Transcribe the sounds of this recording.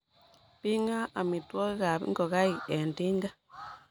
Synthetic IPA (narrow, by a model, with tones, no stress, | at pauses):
pi˦ŋa˦a˨mi˨twɔ˦ka˨pŋɡɔ˨ɣa˦i˨ɛ˨nti˦ŋɡa˦